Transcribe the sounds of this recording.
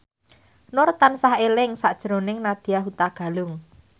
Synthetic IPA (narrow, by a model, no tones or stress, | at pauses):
nʊrt̪ansahelɪŋsaʔd̥ʒ̥ɾonɪŋnad̪̥i̤jaɦut̪aɡ̥a̤lʊŋ